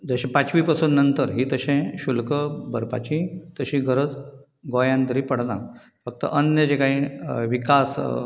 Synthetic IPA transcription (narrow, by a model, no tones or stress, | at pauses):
d͡zəɕẽpat͡ɕʋiːpasuːnːənt̪əɾɦiːt̪əɕẽɕulkəbəɾpa̰t͡ɕĩt̪əɕĩɡʱəɾəd͡z | ɡojãnt̪əɾiːpəɽna | fək̚t̪ə̰ʔənjəd͡ʑekaɦĩʋikas